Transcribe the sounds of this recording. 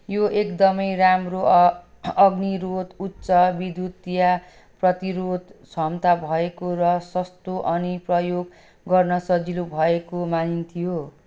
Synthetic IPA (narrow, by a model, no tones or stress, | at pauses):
joʔekd̪ʌmʌjramro | ʌɡniɾot̪utːsʌbid̪ʱut̪ija | prʌt̪iɾod̪sʰʌmt̪abʱʌekorʌsʌst̪oʔʌniprʌjoɡ | ɡʌrnʌsʌd͡zilubʱʌekomanint̪ʰijo